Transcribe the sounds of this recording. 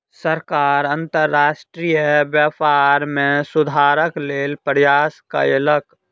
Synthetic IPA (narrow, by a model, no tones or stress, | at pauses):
səɾkaːɾə̃nt̪əɾːaːsʈɾijəbjapaːɾmẽsʊd̪ʱaːɾəkleːlpɾjaːska̰elək